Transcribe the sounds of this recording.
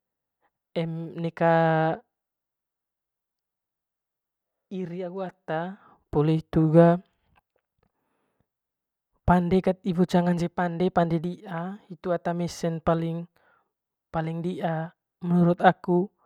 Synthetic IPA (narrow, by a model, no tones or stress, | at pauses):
ɛmnɛka | iɾiaɡuat̪a | pɔlɛt̪uɡa | pandɛkat̪̚ibut͡ʃaŋand͡ʒɛpandɛpandɛdiʔait̪uat̪amɛsɛnpaliŋ | paliŋdiʔa | mənuɾut̪aku